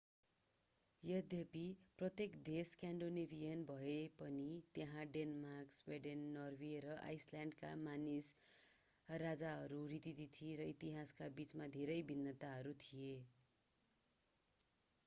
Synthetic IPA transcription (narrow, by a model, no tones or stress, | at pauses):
jʌd̪ʱjʌpiprʌt̪jekd̪eskaɳɖonebʱijʌnbʱʌepʌnit̪jeɦãɖenmarksweɖenːʌrweɾʌʔa̰jsljaɳɖka̰manis | rad͡zaɦʌɾurit̪id̪it̪ʰiɾʌit̪iɦaskabit͡smad̪ʱeɾʌjbʱinːʌt̪aɦʌɾut̪ʰije